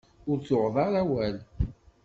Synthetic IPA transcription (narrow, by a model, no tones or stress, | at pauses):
ʊɾt͡sʊʁðˤɑɾˤæwæl